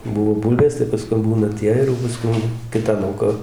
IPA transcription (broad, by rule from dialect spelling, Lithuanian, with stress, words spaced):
ˈbʊʋoː ˈbuːlʲʋʲeːs tɐɪ pɐsˈkʊm ˈbuːnɐ ˈtʲiɛ ɪr jɛʊ pɐˈskʊm ˈkʲɪtɐ ˈlˠɐʊkɐ